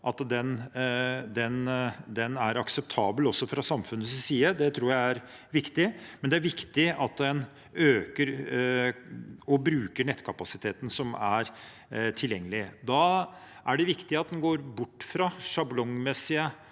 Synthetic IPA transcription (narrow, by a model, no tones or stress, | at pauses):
ʔɑt̪d̪ɛn | d̪ɛnd̪ɛnæɾɑksɛpt̪ʰɑːbəlɔsːɔfɾɑsɑmfʉnːəssiːəd̪ɛt̪ʰɾuːɾjæɪæɾ | ʋɪkt̪ɪmɛnd̪ɛæɾʋɪkt̪ɪɑt̪d̪ɛn | øːkəɾ | ɔbɾʉːkəɳɛt̪ːkʰɑpɑsɪt̪ʰeːt̪ən̩sɔmæɾ | t̪ʰɪljɛŋːəlɪd̪ɑ | ʔæɖɛʋɪkt̪ɪɑt̪̚d̪ɛnɡoːɾbʊʈːfɾɑʂɑblɔŋmɛsːɪə